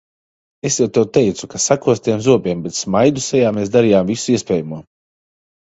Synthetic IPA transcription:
esjawt̪ɛwt̪ɛjt̪sukasakuɔst̪ʲiɛmzuɔbʲiɛmbet̪smajd̪usɛjaːmeːsd̪aɾijaːmvisuiɛspɛːjumuɔ

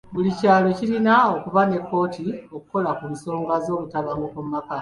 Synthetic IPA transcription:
βulicaːlo̞ciɾinao̞kuβane̞kːo̞ːtio̞kuko̞lakunso̞ːŋɡazo̞ːlutaβaŋɡokummaka

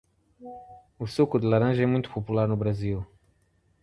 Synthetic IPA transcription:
usukʊd̪ɪlaɾɐ̃ʒɐɛmũj̃t̪ʊ̥populaɾnʊbɾazil

